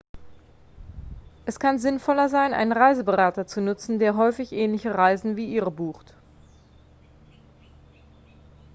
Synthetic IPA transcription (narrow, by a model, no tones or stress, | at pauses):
ʔɛskʰanzɪnfɔlɐzaɪnʔa̰ɪnənʁaɪzəbəʁaːtɐt͡sunʊt͡sn̩deːɐɦɔʏfɪçʔɛːnlɪçəʁaɪzn̩viːʔiːʁəbuːxt